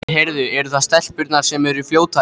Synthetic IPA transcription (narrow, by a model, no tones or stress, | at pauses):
ɦeɾðʏɛɾʏθaðst̪ɛl̥pʏɾt̪naɾ̥sɛmɛɾifljoːwt̪ʰa